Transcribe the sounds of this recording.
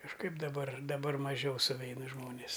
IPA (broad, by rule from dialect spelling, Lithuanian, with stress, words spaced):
kɐʃˈkɐɪp dɐˈbɐr dɐˈbɐr mɐˈʒʲɛʊ sʊˈʋʲɛɪnɐ ˈʒmoːnʲeːs